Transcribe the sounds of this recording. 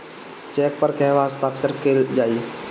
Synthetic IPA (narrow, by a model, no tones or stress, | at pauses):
t͡ʃeːk̚pəɾkɛɦʋaəst̪aːkt͡ʃəɾkeld͡ʒaːj